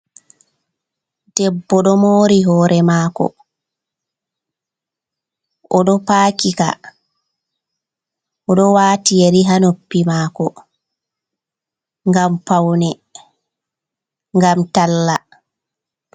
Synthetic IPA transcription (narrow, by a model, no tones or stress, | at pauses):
d̥ɛbːɔɗɔmoːɾiɦɔːɾʔɛmaːkɔ̰ | ʔɔɗɔpaːkika̰ | ʔɔɗɔwaːtijeɾiɦanopːimaːkɔ | ŋɡampawnɛ | ŋɡamtalːa